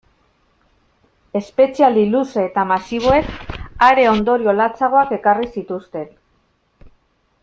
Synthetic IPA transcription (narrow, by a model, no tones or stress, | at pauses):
e̞spe̞t͡sialiluseːt̪amasiβ̞o̞e̞kaɾe̞o̞nd̪o̞ɾio̞lat͡saɣ̞o̞ake̞karisit̪ust̪e̞n